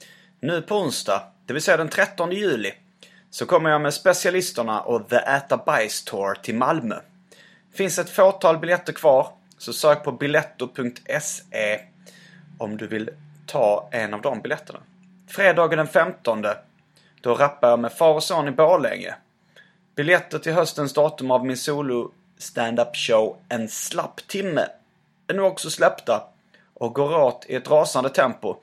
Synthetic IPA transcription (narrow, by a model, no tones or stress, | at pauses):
nʉ̟ːpʰɔʊnsd̪ɑ̰ːd̪̥ɛvɪlsɛjːad̪ɛnt̪ʰɾɛt̪ːɔnd̪əjʉ̟ːlɪ | sɔkʰɔmːəɾjɑmɛd̪spɛsɪalɪst̪əɳa̰ʔɔðəʔæt̪abajst̪ʰoːɾt̪ʰɪlmalmœ̰ | fɪnsɛt̪foːʈʰɑːlbɪljɛt̪ːəɾkʰv̥ɑːɾ | sɔsøːk̚pʰɔbɪlɛt̪ːʊpʰɵŋk̚t̪ʰɛseː | ɔmd̪ɵvɪl | t̪ʰɑːɛnavd̪ɔmbɪljɛt̪ːəɳa̰ | fɾeːd̪ɑːɡəd̪ɛnfɛmt̪ɔnd̪ə | d̪̥ɔɾapːajɑmɛfɑːɾɔsoːnɪboːlɛ̰ŋɾə̰ | b̥ɪljɛt̪ːəʈʰɪlɦœst̪ənsd̪ɑːt̪ɵmavmɪnsuːlʊ | st̪ænd̪apɕəʊɛnslapːt̪ʰɪmːə̰ | ænʉːɡɔksɔslɛpt̪a | ʔɔk̚ɡoːɾoːt̪ʰɪ̰ɛt̪ɾɑːsand̪ət̪ʰɛmpʊ